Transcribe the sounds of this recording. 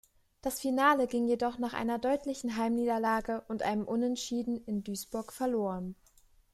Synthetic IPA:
d̥asfinaːləɡɪŋjedɔχnaːχʔa̰ɪnɐdɔʏtlɪçn̩ɦaɪmniːdɐlaːɡəʔʊntʔa̰ɪnəmʔʊnɛntʃiːdn̩ɪndyːsb̥ʊɐkfɛɐloːʁ̞ən

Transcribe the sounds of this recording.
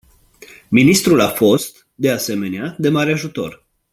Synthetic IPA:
minist̪ɾulafo̞st̪ | d̪e̞ase̞me̞nead̪e̞maɾeaʒut̪o̞̰r

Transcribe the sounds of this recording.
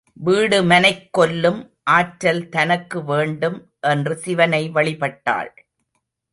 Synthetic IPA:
ʋiːɽɯmɐnɐɪkːɔlːɯm | ʔaːʈɾɐlt̪ɐnɐkːɯʋeːɳɖɯm | ʔɛndrɯsɪʋɐnɐɪʋɐɭɪpɐʈːa̰ːɭ

